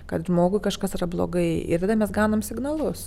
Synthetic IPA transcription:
kɐt̪ʒmoːɡʊɪkɐʃkɐsɪɾɐblˠo̰ɡɐɪɪ̰ɾʋʲd̪ɐmʲɛsɡɑːnoːmsʲɪɡnɐlˠʊs

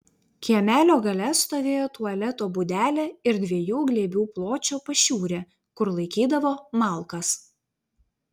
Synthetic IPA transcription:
kʲiɛmʲæːlʲoːɡɐlʲɛst̪oːʋʲeːjoːt̪uɐlʲɛt̪oːbʊd̪ʲæːlʲeːɪɾd̪ʲʋʲiɛjuːɡlʲeːbʲuːplˠoːt͡ʃʲoːpɐʃʲuːɾʲeː | kʊɾlˠɐɪkʲiːd̪ɐʋoːmɐˑlˠkɐs

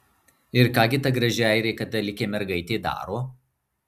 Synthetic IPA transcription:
ɪɾkɑːɡʲɪt̪ɐɡɾɐʒʲɪɛɪɾʲɛːkɐt̪ɐlʲɪkʲeːmʲɛɾɡɐɪt̪ʲeːd̪ɑ̰ːɾoː

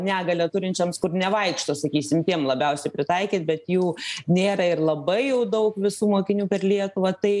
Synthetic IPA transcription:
nʲæːɡɐlʲɛt̪ʊɾʲɪnʲt͡ʃʲɛmskʊrnʲɛʋɐɪkʃt̪oːsɐkʲiːsʲɪmt̪ʲiɛmlˠɐbʲɛʊsʲɛɪpʲɾʲɪt̪ɐɪkʲiːt̪bʲɛt̪juːnʲeːɾɐɪrlˠɐbɐɪjɛʊd̪ɐʊkʋʲɪsuːmoːkʲɪnʲuːpʲɛrlʲiɛt̪ʊʋɐt̪ɐɪ

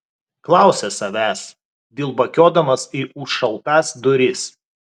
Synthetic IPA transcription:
klˠɑˑʊsʲɛsɐʋʲæːs | d̪ʲɪlˠbɐkʲoːd̪ɐmɐsiɪʊʃʃɐlˠt̪ɑsd̪ʊɾʲɪs

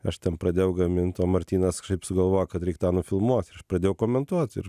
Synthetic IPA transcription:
ɐʃt̪ʲɛnpɾɐd̪ʲeːjɛʊɡɐmʲɪnt̪ʲoːmɐɾʲt̪ʲiːnɐsʃɐɪpsʊɡɐlˠʋoːjɛkɐt̪ɾʲɛɪkt̪ɑːnʊfʲɪlˠmuɔt̪ɪɾɐʃpɾɐd̪ʲeːjɛʊkoːmʲɛnt̪uɔt̪ɪ̰ɾ

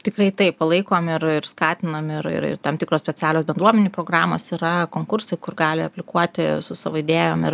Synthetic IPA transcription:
t̪ʲɪkɾɐɪt̪ɐɪppɐlˠɐɪkoːmɪrɪɾskɑːt̪ʲɪnɐmɪɾɪ̰ɾɪ̰rt̪ɑːmt̪ʲɪkɾoːsʲpʲɛt͡sʲæːlʲoːsbʲɛnd̪ɾuɔmʲɛnʲuːpɾoːɡrɑːmo̰ːsiɾɐkoːŋkʊɾsɐɪkʊrɡɑːlʲɪɐpʲlʲɪkuɔt̪ʲɪsʊsɐʋoːɪd̪ʲeːjo̰ːmɪr

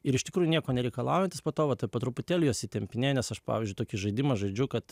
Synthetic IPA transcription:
ɪɾɪʃt̪ʲɪkɾuːjʊnʲiɛkoːnʲɛɾʲɛɪkɐlˠɑ̰ːʊjɛnʲt̪ʲɪspoːt̪oːʋɐt̪ɐɪpɐt̪ɾʊpʊt̪ʲeːlʲʊjoːsɪt̪ʲɛmʲpʲɪnʲeːjnʲɛsɐʃpɑ̰ʋʲɪzʲd͡ʒʲʊɪt̪oːkʲɪʒɐɪd̪ʲɪmɐʒɐɪd͡ʒʲʊkɐt̪

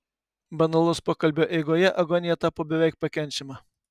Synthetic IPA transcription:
bɐnɐlˠʊspoːkɐlʲbʲoːʔɛɪɡoːjɛʔɐɡɔnʲɪjɛt̪ɑːpoːbʲɛʋʲɛˑɪk̚pɐkʲɛnʲt͡ʃʲɛmɐ

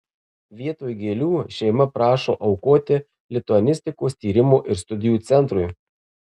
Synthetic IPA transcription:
ʋʲiɛt̪oːjɡʲeːlʲuːʃʲɛɪmɐpɾɑːʃo̰ːʔɐʊkoːt̪ʲɪ | lʲɪt̪ʊɐnʲɪsʲt̪ʲɪkoːst̪ʲiːɾʲɪmoːʔɪɾst̪ʊd̪ʲɪjuːt̪sʲɛnt̪ɾʊj

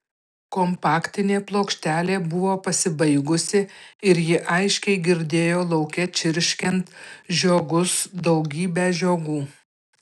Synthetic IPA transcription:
kɔmpɑːkt̪ʲɪnʲeːplˠoːkʃʲt̪ʲæːlʲeːbʊʋoːpɐsʲɪbɐɪɡʊsʲɪɪɾjɪʔɐɪʃʲkʲɛɪɡʲɪɾʲd̪ʲeːjoːlˠɒʊkʲɛt͡ʃʲɪɾʲʃʲkʲɛnt̪ʒʲoːɡʊsd̪ɒʊɡʲiːbʲæʒʲoːɡuː

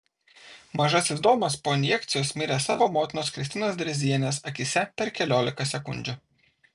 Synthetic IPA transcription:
mɐʒɐsɪzd̪oːmɐspoːɪnʲjɛkt̪sʲɪjoːsmʲɪɾʲesɑːʋoːmoːt̪ʲɪnoːskɾʲɪsʲt̪ʲɪnoːs̬d̪ʲɾʲɛzʲiɛnʲeːsɐkʲɪsʲɛpʲɛɾkʲɛlʲoːlʲɪkɐsʲɛkʊ̰nʲd͡ʒʲʊ

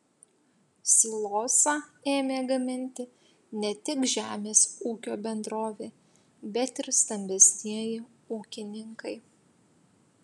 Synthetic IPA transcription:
sʲiːlˠoːsɑeːmʲeːɡɐmʲɪnʲt̪ʲɪ | nʲɛt̪ʲɪkʒʲæːmʲeːsuːkʲoːbʲɛnd̪ɾoːʋʲeː | bʲɛt̪ɪɾst̪ɐmʲbʲɛsʲnʲiɛjɪ | uːkʲɪnʲɪŋkɐɪ

